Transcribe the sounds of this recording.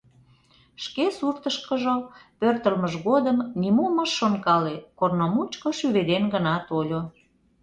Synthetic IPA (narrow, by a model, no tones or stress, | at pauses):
ʃkesurt̪əʃkəʒopørt̪əlməʒɣod̪əmnimuməʃːonkɑlekornomut͡ɕkoʃyβed̪enɡənɑt̪olʲo